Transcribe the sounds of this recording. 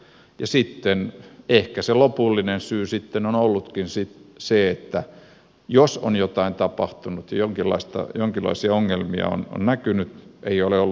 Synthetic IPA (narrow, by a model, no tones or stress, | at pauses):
jɑsit̪ːenehkæselopulːinensyːsit̪ːenonolːut̪kinsit̪seet̪ːæ | joso̰njot̪ɑint̪ɑpɑht̪unut̪jɑjoŋkilːɑ̰ist̪ɑ̰joŋkilːɑ̰isiɑoŋːelmiɑ̰o̰no̰nnækynyt̪eioleolː